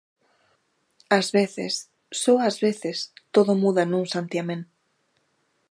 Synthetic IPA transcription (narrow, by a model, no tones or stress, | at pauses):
azβeθḛsː | oazβeθest̪oðomuðanũŋsant̪jamẽn